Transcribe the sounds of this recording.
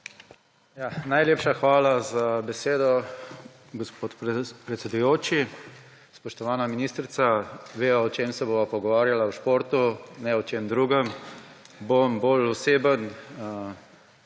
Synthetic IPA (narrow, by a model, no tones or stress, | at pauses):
janajleːpʃaxʋaːlazabɛseːd̪ɔ | ɡospot̪pɾɛt̪sɛd̪ujoːt͡ʃi | spɔʃt̪ɔʋaːnaminiːst̪ɾit̪saʋeːaɔt͡ʃeːmsɛboːʋapɔɡɔʋaːɾjalawʃpoːɾt̪unɛɔt͡ʃemd̪ɾuːɡəm | bomboːlɔseːbən